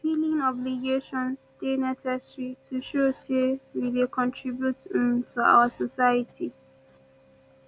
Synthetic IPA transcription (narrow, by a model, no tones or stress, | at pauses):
pilĩŋɔbliɡeʃɔ̃nsstenɛsɛsɹitʰuʃosewidekʰɔ̃ntʰɹibjutĩmtʰua̰ʊəsɔsaɪətʰi